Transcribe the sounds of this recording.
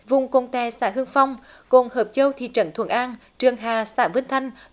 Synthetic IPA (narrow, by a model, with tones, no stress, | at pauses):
vʊ˨˩ŋ͡mko˧˨˩nt̪ɛ˨˩sa̰ː˧˥ɦɨ˧əŋfa˧wŋ͡m | ko̰˧˨˩nhəː˨˩p̚t͡ɕə˧wt̪ʰḭ˧˨t͡ɕə̰˧˩nt̪ʰw̰ənʔaː˧nt͡ɕɨ˨˩əŋɦaː˨˩saː˧˥vɨ˧˥nt̪ʰa˧jŋ̟